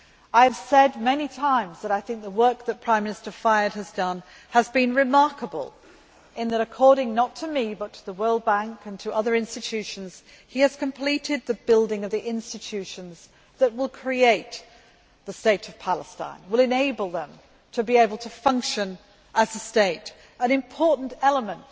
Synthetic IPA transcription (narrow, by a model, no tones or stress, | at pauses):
aɪɨv̥sɛd̚mɛnitʰãɪ̃mzðəɾaɪθɪ̃ŋk̚ðəwɜ˞k̚ðɨt̚pʰɹ̥ãɪ̃mːɪnɨstə˞faɪə˞d̚ɨzdʌ̃n | əzbɨ̃nɹɨmɑɹkəbə̰lˠ | ʔɨ̃nðɨɾɨkʰɔɹɾɪ̃ŋnətʰɨmibʌtʰəðəwɜ˞lˠd̚bæ̃ŋkɨ̃ntʰɨʔʌðə˞ɪ̃nstɨtʰʉʃɨ̃n̩z̥ | iɨz̥kʰɨ̃m̩pʰl̥iɾɪd̪̚ðɨbɪlˠdɪ̃ŋʌvðiʔɪ̃nstɨtʰʉʃɨ̃nz | ðɨt̚wəlˠkʰɹ̥ieɪt̪̚ | ðɨsteɪɾʌv̥pʰælˠəstã̰ɪ̃nwɪlˠɨ̃neɪbəlˠðə̃m | tʰɨbieɪbl̩ˠtʰɨfʌ̃ŋkʃɨ̃n | ʔəzɨsteɪɾ | ɨ̃nɨ̃mpʰɔɹʔn̩tɛlˠəmə̃nt